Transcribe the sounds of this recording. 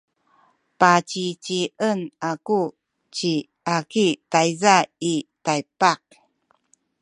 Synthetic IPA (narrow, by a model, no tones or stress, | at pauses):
pat͡ɕit͡ɕiʔənaku | t͡ɕi | akitajzaitajpaq̚